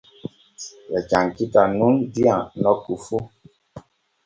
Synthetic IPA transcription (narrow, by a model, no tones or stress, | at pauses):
lɛt͡ʃaŋkitanundianɔkufu